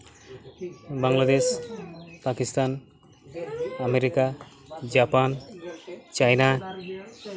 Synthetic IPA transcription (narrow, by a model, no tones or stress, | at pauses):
baŋlad̪eʃ | pakist̪an | ameɾika | d͡ʒapan | t͡ʃajna